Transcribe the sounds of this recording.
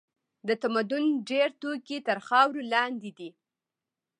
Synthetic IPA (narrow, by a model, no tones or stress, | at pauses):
d̪ət̪amad̪ʊnɖeɾt̪okit̪əɾxɑwɾolɑnd̪id̪i